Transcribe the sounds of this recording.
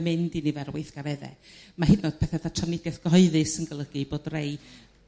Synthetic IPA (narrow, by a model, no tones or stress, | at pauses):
mɨndinivɛrwɪθɡ̥aɾɛðɛ̰mahɪdnɔd̥̚pʰɛθɛθatʰɔnɪdjɛθɡ̥ɔɨðɨsənɡəlˠəɡɨb̥oːdrej